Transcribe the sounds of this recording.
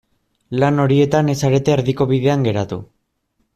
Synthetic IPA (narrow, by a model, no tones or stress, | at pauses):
lano̞ɾie̞t̪ane̞saɾe̞t̪e̞ːɾðiko̞β̞iðe̞aŋɡe̞ɾat̪ṵ